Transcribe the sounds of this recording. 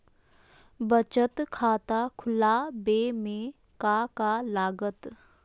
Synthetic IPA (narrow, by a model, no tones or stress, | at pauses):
bət͡ʃət̪kʰaːt̪akʰʊlabeːmẽ | kakalaːɡət̪